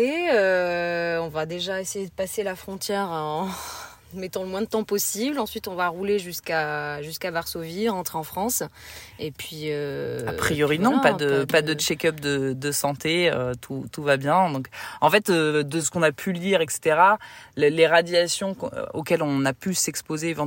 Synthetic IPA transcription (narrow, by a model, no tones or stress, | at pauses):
eø | ɔ̃vad̪eʒaesejed̪əpaselafχɔ̃t̪jɛʁɑ̃ | mɛt̪ɑ̃ləmwɛ̃d̪ət̪ɑ̃pɔsiblɑ̃sɥit̪ɔ̃vaʁuleʒyskaʒyskabaʁsoviʁɑ̃t̪χeɑ̃fχɑ̃s | epʰɥiøapχijɔʁinɔ̃pad̪əpad̪ət͡ʃɛkœpd̪əd̪əsɑ̃t̪eø̰t̪ʰut̪uvabjɛ̃d̪ɔ̃kɑ̃fɛt̪ød̪əsə̥kɔ̃napʰyliʁɛkse̥t̪eʁalleʁad̪jasjɔ̃o̰kʲɛlɔ̃napysɛkspozeːvɑ̃